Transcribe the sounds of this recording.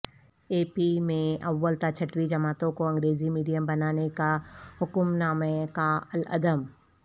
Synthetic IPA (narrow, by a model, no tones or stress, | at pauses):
eːpimẽɐʋːəlt̪at͡ʃʰɐʈwid͡ʒɐmaːt̪õkoɐ̃ŋɡɾeːzimiːɖijəmbɐnaːnekahʊkʊmnaːmekaɐlɐ̰d̪əm